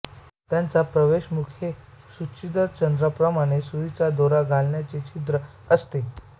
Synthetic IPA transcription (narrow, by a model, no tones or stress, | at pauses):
t̪jant͡sapɾəʋeɕmukʰje | suɕid̪ət͡ɕənd̪ɾəpɾəmaɽ̃esuʋit͡sad̪oɾaɡʱalɳjat͡set͡ɕit̪ɾə | əst̪e